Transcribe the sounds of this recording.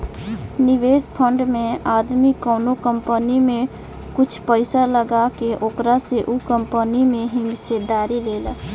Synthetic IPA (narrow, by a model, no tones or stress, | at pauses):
niʋeːspʰəɳɖmẽaːd̪mikəːnokəmpənimẽ | kʊt͡ʃʰpəɪsaləɡakeʔoːkɾaseʔukəmpənimẽɦimsed̪aːɾileːl